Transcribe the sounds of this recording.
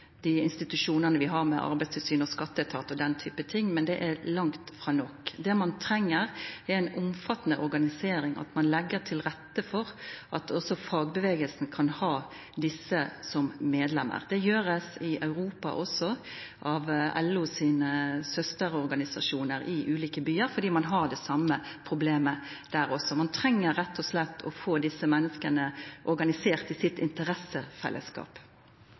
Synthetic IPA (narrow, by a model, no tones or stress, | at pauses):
d̪̥iːɪnst̪ɪt̪ʉʂuːnənəʋɪɦɑɾmɛ̰ʔɑ̰ɾbæɪst̪ʰɪlsyːnɔskɑt̪ːət̪ʰɑːt̪ɔd̪ɛnt̪ʰyːpət̪ʰɪŋːmɛnd̪ɛʔælɑŋt̪fɾɑːnɔkd̪ɛmɑnt̪ʰɾɛŋːəɾɛæɪnʊmfɑt̪ːnəʔɔɾɡɑnɪseːɾɪŋʔɑ̰t̪mɑnlɛɡːətʰɪlɾɛt̪ːəfɔɾʔɑt̪ʰɔsɔfɑːɡbəʋeːɡəlsn̩kʰɑnhɑː | d̪ɪsːəsɔmːeːd̪lɛmːə̰ʁd̪ɛjøːɾəsɪʔɑʉɾuːpɑ̰ʔɔsɔʔɑʋɛ̰lːʊsiːnəsœst̪əɾɔɾɡɑnɪsɑ̰ʂuːnəɾɪʔʉːliːkəbyːəɾfɔɾd̪iːmɑnɦɑd̪ɛsɑmːə | pʰʁʊbleːmə | d̪̥æːɾɔsːɔmɑnt̪ʰɾɛŋːəɾːɛt̪ʰːɔslɛt̪ːʰɔ̰foːd̪ɪsːəmɛnːəskənəʔɔɾɡɑnɪseːʁt̪ɪsɪt̪ɪnt̪əɾɛsəfɛ̰lʔə̰skɑ̰ːp